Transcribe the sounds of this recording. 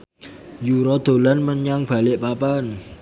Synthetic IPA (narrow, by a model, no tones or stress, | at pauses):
juɾod̪̥olənmənɲaŋb̥alɪʔpapən